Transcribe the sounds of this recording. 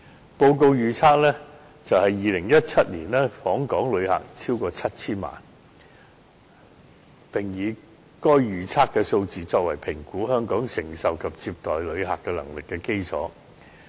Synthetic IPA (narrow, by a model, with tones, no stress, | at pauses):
po˧wko˧wjyː˨˩t͡sʰaː˥k̚lɛː˥ | t͡sɐ˨whɐ˨jːiː˨lɪ˨˩ŋjɐ˥t̚t͡sʰɐ˥t̚liː˨˩nlɛː˥fɔː˨˥ŋkɔː˨˥ŋlɵ˨˧ɥha̰ː˨˩k̚t͡sʰiː˥wkɔː˧t͡sʰɐ˥t̚t͡sʰiː˥nma̰ː˨˩n | pɪ˨ŋjiː˨˧ | kɔː˥jɥyː˨˩t͡sʰaː˥kːɛː˧so˧wt͡siː˨t͡sɔː˧k̚wɐ̰˨˩jpʰɪ˨˩ŋkuː˨˥ɦœː˥ŋkɔː˨˥ŋsɪ˨˩ŋsɐ˨wkʰɐ˨p̚t͡siː˧p̚t̪ɔː˨jlɵ˨˧ɥɦaː˨kːɛː˧lɐ˨˩ŋlɪ˨kːɛː˧ke˥jt͡sʰɔ̰ː˨˥